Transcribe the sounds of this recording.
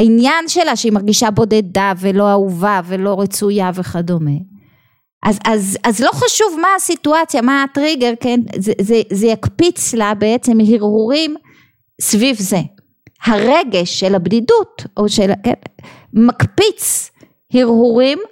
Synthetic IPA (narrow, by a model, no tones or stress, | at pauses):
ainjanʃe̞laʃeimaʁɡiʃabo̞de̞davelo̞auvave̞lo̞ʁet͡sujave̞χado̞me | ʔazazazlo̞χaʃuvmaːsituat͡sjamaːtʁiɡeʁkenzezezejakpit͡slabeet͡se̞mɦiʁhuʁim | svivze | haʁeɡe̞ʃːelhabdidutoʃelken | makpit͡s | hiʁhuʁim